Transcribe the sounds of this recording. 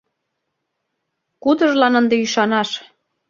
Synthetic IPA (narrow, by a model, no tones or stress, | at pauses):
kud̪əʒlɑnənd̪eyʃɑnɑʃ